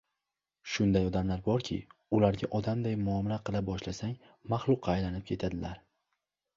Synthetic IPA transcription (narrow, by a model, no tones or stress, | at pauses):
ʃʊnd̪ajɒd̪amlaɾbɒɾkʲʰɪ̰ʊlaɾɡʲaʔɒd̪amd̪ajmʊɒmɪlaqʰɨlˠabɒʃlasaŋ | maχlˠʊqʰːɑːjlanɪp̚kʲʰe̞t̪ʰad̪ɪlaɾ